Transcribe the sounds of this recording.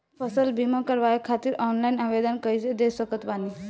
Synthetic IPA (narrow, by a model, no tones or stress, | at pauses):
pʰəsəlbimakəɾʋaekʰat̪iɾɔnlajnaʋed̪ənkəjsed̪esəkət̪pani